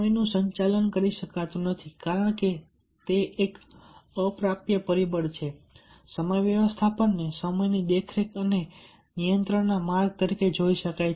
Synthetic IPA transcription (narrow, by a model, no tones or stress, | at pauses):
əjnũsəɲt͡ʃalənkəɾiʃəkat̪ũnət̪ʰikaɾəɳ̃ke | t̪eʔːkəpɾapjəpəɾibəɽt͡ʃʰe | səməjʋjəʋəst̪ʰapəɳːesəməjnid̪ekʰɾekəne | nijənt̪ɾəɳnamaɾɡ̚t̪əɾiked͡ʒoiʃəkaj